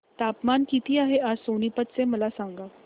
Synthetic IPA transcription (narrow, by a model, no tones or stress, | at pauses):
t̪apmankit̪iːaɦead͡zsonipət̪t͡seməlasaŋɡa